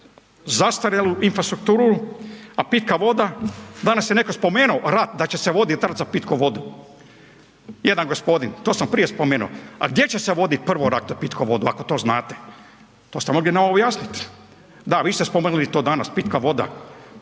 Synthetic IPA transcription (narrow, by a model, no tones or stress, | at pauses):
zast̪aɾjaluinfɾast̪ɾuk̚t̪uːɾuapit̪kaʋo̞d̪ad̪anasjenekospo̞meːnuoɾat̪̚d̪at͡ɕeseʋo̞d̪it̪at̪zapit̪koʋo̞d̪u | jed̪anɡospo̞d̪int̪oːsampɾijespomeːnuoa̰ɡd̪je̞t͡ɕeseʋo̞d̪it̪̚pr̩ʋoɾat̪zapit̪koʋo̞d̪ua̰kot̪o̞ːznaːt̪e | t̪o̞ːst̪emo̞ɡlineobjasnit̪ | d̪aʋiːst̪espomeːnulit̪oːd̪anaspit̪kaʋo̞d̪a̰